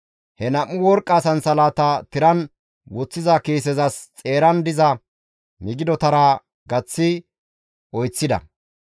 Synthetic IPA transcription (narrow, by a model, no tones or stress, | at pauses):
hɛnɐmːʊwɔɾkʼːɐːsɐnsɐlaːt̪ɐt̪ɪɾɐn | wɔt͡sːɪzɐkeːs̬ɛzɐst͡sʼe̞ːɾɐnd̪ɪzɐ | mɪɡɪd̪ɔt̪ɐɾaː | ɡɐt͡sːɪ | ʔɔjt͡sːɪd̪ɐ̰